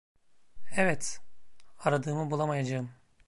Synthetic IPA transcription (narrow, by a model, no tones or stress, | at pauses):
evɛt̪ | aɾad̪ɯːmɯbulˠamajad͡ʒaɯm